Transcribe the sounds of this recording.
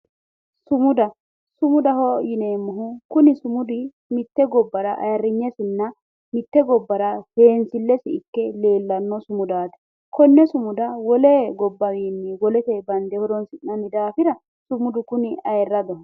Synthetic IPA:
sʊmʊd̪ɐ | sʊmʊd̪ɐhɔjɪne̞ːmːʊɦʊkʊnɪsʊmʊd̪ɪ | mɪt̪ːɛɡɔbːɐɾɐʔɐ̰jɐrːɪɲːɛsɪnːɐ | mɪt̪ːɛɡɔbːɐɾɐhe̞ːnsɪlːɛsɪɪkːɛle̞ːlːɐnːɔsʊmʊd̪aːt̪ɛ̥ | kɔnːɛsʊmʊd̪ɐwɔleɡɔbːɐɡiːnːɪwɔlɛt̪ɛbɐnd̪ɛhɔd̪ɔnsɪnːɐnɪd̪aːfɪɾɐ | sʊmʊd̪ʊkʊnɪɐjɛrːɐd̪ɐh

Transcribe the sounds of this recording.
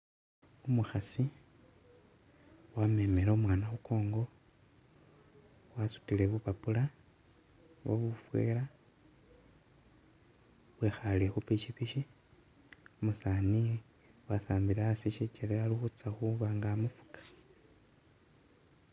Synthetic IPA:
umuxasi | wame̞meɾoomwaːnaxukʰo̞ːŋɡo̞ | wasu̥tile̞βupapula | βo̰βufwḛːɾa | βwexalexupiʃipiʃi | omusaːni | wasaːmbiɾeasiʃit͡ʃeɾealixut͡saxuβaŋɡaːmufu̥kḁ

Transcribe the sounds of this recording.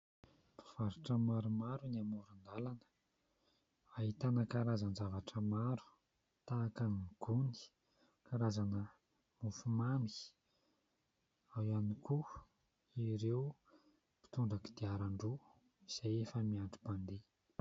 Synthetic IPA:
pi̥v̥aɾuʈ͡ʂəmaɾumaɾuniamuɾund̪alanə̥ | aɦit̪anəkaɾazanzavaʈ͡ʂəmaɾu̥ | t̪aːkanɡ̥uni̥ | kaɾazanə | mufumami̥ | awaniku | iɾew | pi̥t̪uɳɖ͡ʐaki̥d̪̥iaɾaɳɖ͡ʐu | iz̥ajefəmiaɳɖ͡ʐuband̪e

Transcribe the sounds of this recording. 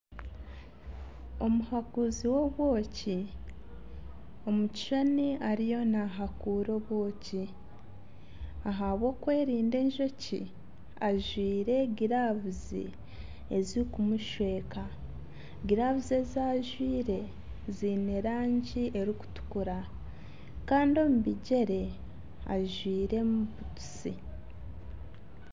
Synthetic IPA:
o̞muhakuziwo̞βwo̞ːci | o̞muci̥ʃoniaɾijo̞naɦakuɾo̞βwo̞ːci | aɦaβwo̞ːkwe̞ːɾiːnde̞ːɲʒo̞cḭ | aʒwiːɾe̞ɡiɾaβuzḭ | ezikumuʃwe̞ːka | ɡiɾaβuzezaːʒwiːɾe̞ | zine̞ɾaːɲɟiʔe̞ɾiku̥tu̥kuɾa | kaːndio̞muβiɟe̞ɾe̞ | a̰ʒwiːɾe̞muβutu̥si

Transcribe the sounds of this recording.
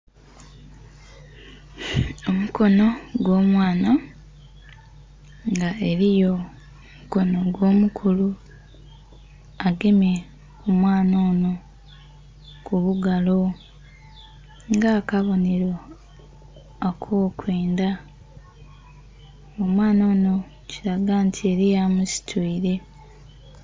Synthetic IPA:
omuko̞no̞ɡwo̞ːmwaːna | ŋɡaeɾijo̞ | muko̞no̞ɡwo̞ːmukʰulu | aɡeme | omwaːnoːno̞ | kuβuɡalo̞ | ŋɡakaβo̞ne̞ɾo̞ | akʰoːkwe̞ːnda | omwaːno̞ːno̞ | ciɾaɡaːntʰie̞ɾijamusi̥tʰuːɾe̞

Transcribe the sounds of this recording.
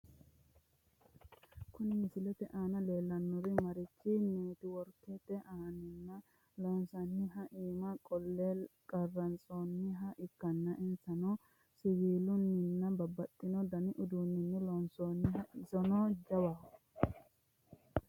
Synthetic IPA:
kʊnɪmɪsɪlɛt̪ɛʔaːnɐle̞ːlːɐnːʊɾɪmɐɾɪt͡ʃːineːt̪ɪwɔɾkːɛt̪ɛʔaːnɪnːɐ | lɔnsɐnːɪɦɐʔiːmɐkʼɔlːekʼɐrːɐnt͡sʼoːnːɪɦɐʔɪkːɐnːɐʔɪnsɐnɔ | sɪɡiːlʊnːɪnːɐbɐbɐt̪ʼːɪnɔd̪ɐnɪʔʊd̪unːɪnːɪlɔnsoːnːɪɦɐɪsɔnɔːd͡ʒɐwa

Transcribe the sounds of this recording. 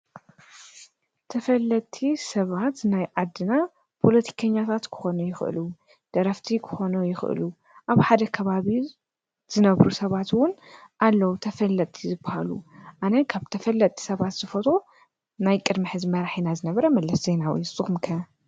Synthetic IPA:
t̪ʰɐfɐlːɐt̪ʼʰisɐβat̪najʕad̪ɨna | pʰo̞lɐt̪ʰi̥kʰɐɲːat̪ʰat̪kʰɨ̥xo̞nujɪxʔɨ̰lu | d̪̥ɐɾɐft̪ʰikʰɨ̥xo̞nujɪxʔɨ̰lu | ʔaβħad̪ɐkʰɐβaβi | z̥ɨnɐβɾusɐβat̪wʊnʔalːɐwut̪ʰɐfɐlːɐt̪ʼʰːizɨbahalṵʔanɐkʰaβt̪ʰɐfɐlːɐt̪ʼːi̥sɐβat̪z̥ɨfɐt̪ʰo | najkʼɨd̪miħɨzmɐɾaħinazɨnɐβɐɾɐmɐlɐszejnaw̰sʼɨxmkʰɐ

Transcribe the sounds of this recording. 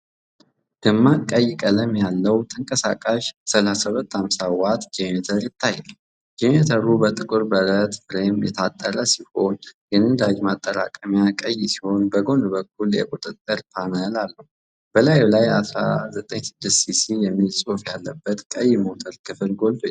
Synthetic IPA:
ɡ̥ɨmːakʼəjːɪkʼələmjalːəwt̪ʰəŋkʼəsa̰kʼaʃsəlasəβət̪ːhamsawat̪d͡ʒemet̪ʰəɾjɪt̪ʰːajːɛl | d͡ʒemet̪ʰəɾubət̪ʼɨkʼɨɾbəɾət̪fɾemjɛ̰t̪ʰat̪ʼːəɾəsiho̞nɡɨnɨnd̪ad͡ʒmat̪ʼːəɾa̰kʼəmjakʼəjːsi̥ho̞nbəɡo̞nbək̚ʰːuljɛ̰kʼut̪ʼɨt̪ʼːɨɾpʰanəlalːəhu | b̥əlajlajasɾa̰zət̪ʼəɲsɨd̪ːɨssisijɛmːilsʼofjalːəbːət̪kʼəjːmo̞t̪ʰəlkʰɨfɨlɡo̞lfʼo

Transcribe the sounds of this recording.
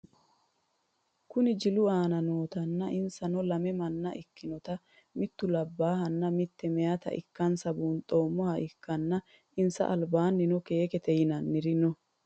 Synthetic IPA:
kʊnɪd͡ʒɪlʊaːnɐnoːt̪ɐnːɐʔɪnsɐnɔlɐmɛmɐnːɐʔɪkːɪnɔt̪ɐ | mɪt̪ːʊlɐbːaːhɐnːɐmɪt̪ːɛmɛjɐt̪ɐ̰ʔɪ̰kːɐnsɐbuːnt̪ʼo̞ːmːɔhɐʔɪkːɐnːɐ | ʔɪnsɐ̰ʔɐlbaːnːɪnɔke̞ːkɛt̪ɛjɪnɐnːɪɾɪnɔ

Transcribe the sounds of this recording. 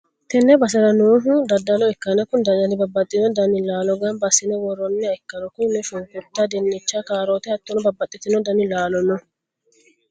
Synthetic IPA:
t̪ɛnːɛbɐs̬ɐɾɐnuːɦʊd̪ɐd̪ːɐlɔɛkːɐnɛkʊnd̪ɐd̪ɐnɪbɐbːɐt̪ʼːɪnɔd̪ɐnɪlaːlɔɡɐnbɐsːɪnɛwɔɾɔnːɛɐɛkːɐɾɔkʊnɛʃʊŋkʼʊt̪ːad̪ɛnːɪt͡ʃːakaːɾot̪ɛhɐt̪ːɔnɔbɐbːɐt̪ʼːɪt̪ːɪnɔd̪ɐnɪlaːlɔnːɔ

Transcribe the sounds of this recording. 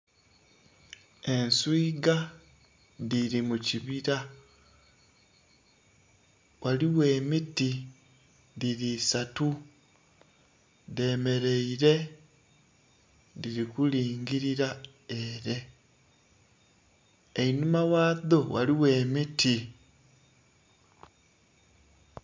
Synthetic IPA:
e̞nsuiɡa | ðiɾimuciβiɾa | wʔaliwe̞ːmiti | ðiɾiːsatu | ðe̞me̞ɾe̞iɾe̞ | diɾikuliːŋɡiɾiɾa | eɾe̞ | einumawaːðo̞waliwe̞ːmiti

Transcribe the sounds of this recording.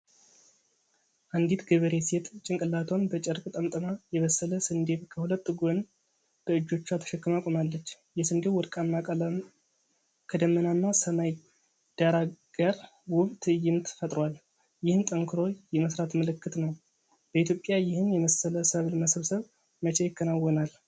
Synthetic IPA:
ʔand̪it̪ɡəβəɾeset̪ʼt͡ʃʼɪŋkʼɨlat̪ʰonbət͡ʃʼɛɾkʼt̪ʼəmt̪ʼəmajɛβəsːələsɨnd̪e̞βkʰəhulət̪ːɨɡon | b̥əɨd͡ʒːo̞t͡ʃːat̪ʰə̥ʃɛkːɨmakʷʼomalːət͡ʃː | jɛsɨnd̪ewɔɾkʼanːakʼələm | kʰəd̪əmːənanːasəmaj | d̪̥aɾaɡ̥əɾ | wʊβt̪ʰɨjːɪmt̪fət̪ʼɾwal | jɪhɨnt̪ʼəŋkʰɨɾo̞jɛməsɾat̪məlɨkːɨt̪nəw | b̥əit̪ʰjo̞pʼːjajɪhɨnjɛməsələsəβlməsəβsəβ | mət͡ʃʰejɪkʰːənawːɔnal

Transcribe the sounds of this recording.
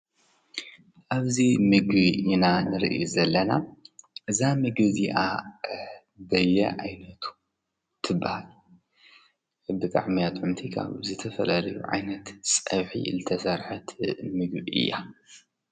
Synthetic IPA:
ʔaβzimɨɡβiinanɨɾḭʔjuzɐlːɐnaʔɨzamɨɡɨziʔa̰ | bɐjːɛ̰ʕajnɐt̪ʰu̥ | t̪ʰɨbːahal | bɨt̪ʼa̰ʕmiat̪ʼʕumt̪ʰikʰa̰βzɨt̪ʰɐfɐlalɐjṵʕa̰jnɐt̪sʼɐβħḭlɨt̪ʰɐsɐɾħɐt̪mɨɡbiʔɨ̰jːa̰

